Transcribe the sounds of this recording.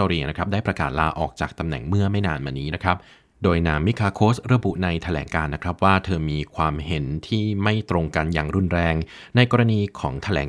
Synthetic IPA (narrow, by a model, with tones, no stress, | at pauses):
ɔː˧ɾiː˧na˦˥kʰɾa˦˥p̚daː˥˩jpɾa˧kaː˨˩t̪̚laː˧ʔɔː˨˩k̚t͡ɕa̰ː˨˩k̚t̪a˧mnɛ̰˨˩ŋmɯ˥˩ɐma˥˩jnaː˧nmaː˧niː˦˥na˦˥kʰɾa˦˥p̚ | doː˧jnaː˧ŋmi˦˥kʰaː˧kʰoː˦˥sɾa˧bu˨˩ʔna˧jt̪ʰa˧lɛ̰ː˩˦ŋkaː˧nːa˦˥kʰɾa˦˥p̚waː˥˩t̪ʰɤː˧miː˧kʰwaː˧mhe˩˦nt̪ʰiː˥˩ma˥˩jt̪ɾo˧ŋka˧nja̰ː˨˩ŋɾu˥˩nɾɛː˧ŋ | na˧jkɔː˧ɾa˧niː˧kʰɔː˩˦ŋt̪ʰa˧lɛ̰ː˩˦ŋ